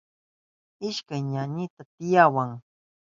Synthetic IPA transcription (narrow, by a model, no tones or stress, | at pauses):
ɪʃkajɲaɲɪt̪at̪ɪjawaŋ